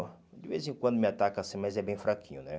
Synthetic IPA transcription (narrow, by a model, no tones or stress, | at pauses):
d͡ʒɪvezɪẽkwɐ̃d̪ʊmɪat̪akasĩmazɛbẽj̃fɾakĩɲʊnɛ